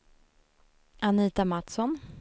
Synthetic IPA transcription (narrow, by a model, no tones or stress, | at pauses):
ʔaniːt̪amat̪sɔn